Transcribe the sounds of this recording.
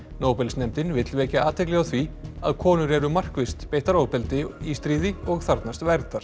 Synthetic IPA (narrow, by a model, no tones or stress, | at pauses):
noːwpɛlsnɛmt̪ɪnvɪt̪lvɛːcaaːt̪ʰɛk̬lɛɣawθvia̰ðkʰɔːnʏɾɛɾʏmar̥kvɪst̪peːjht̪aɾoːwpɪlt̪ɪist̪ɾiːðɪɔɣθaɾt̪nast̪vɛɾt̪aɾ̥